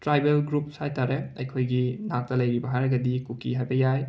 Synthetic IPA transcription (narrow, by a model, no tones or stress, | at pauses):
tɾajbelɡɾup̚sajtaɾeɐjkʰojɡinak̚tɐlɐjɾibɐɦajɾɐɡɐdikukiɦajbɐjaj